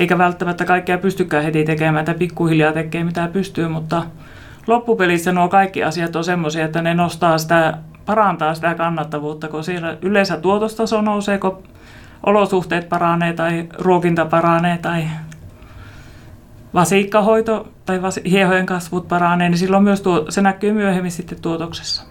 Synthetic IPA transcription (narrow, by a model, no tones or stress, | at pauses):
eikæʋælt̪ːæmæt̪ːækɑikːeɑpyst̪ykːæːhet̪iˑt̪ekeˑmæːet̪ːæpikːuhiljɑːt̪ekːeːmit̪æpyst̪yømut̪ːɑ | lopːupelisːɑnoˑkɑikːiɑ̰siɑt̪ːonsemːosiɑet̪ːænenost̪ɑːsi̥t̪æˑ | pɑrɑˑnt̪ɑːsit̪æˑkɑnːɑt̪ːɑʋuːt̪ːɑkosielæʔylˑeˑsæt̪uot̪ost̪ɑsonouseːko | ʔo̰losuht̪eˑːt̪̚pɑrɑneːt̪ɑiruokint̪ɑpɑrɑˑneːt̪ɑi | ʋɑsiˑkːɑhoit̪ot̪ɑiʋɑsihiehojeŋkɑsʋut̪̚pɑrɑˑneːnisilːommyøst̪uosenækːˑøːmyøhemːissit̪ːet̪t̪uot̪okse̥sːɑ̥